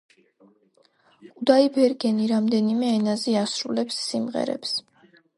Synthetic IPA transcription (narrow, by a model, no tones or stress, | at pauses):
kʼud̪aibɛɾɡɛniɾamd̪ɛnimɛːnaziasɾulɛpsːimʁɛ̰ɾɛ̰ps